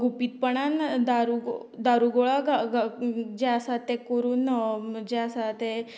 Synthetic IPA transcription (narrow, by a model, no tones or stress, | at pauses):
ɡʱupiːt̪̚pəɳand̪aɾuɡod̪aɾuɡoɭaɡaɡd͡ʑɛasat̪ːekoɾuːnd͡ʑeasat̪e